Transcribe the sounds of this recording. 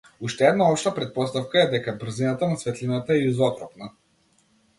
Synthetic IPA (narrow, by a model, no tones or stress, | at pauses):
uʃt̪ɛɛd̪naɔpʃt̪apɾɛt̪̚pɔst̪afkaɛd̪ɛkabr̩zinat̪anasvɛt̪linat̪aɛuzɔt̪ɾɔpna